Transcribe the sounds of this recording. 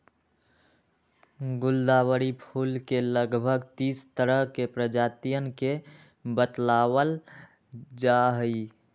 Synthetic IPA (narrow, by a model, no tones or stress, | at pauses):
ɡʊld̪aːwəɾipʰuːlkeləɡbʱəɡt̪iːst̪əɾəɦkepɾəd͡ʒaːt̪ijənke | bət̪lawəl | d͡ʒaɦəi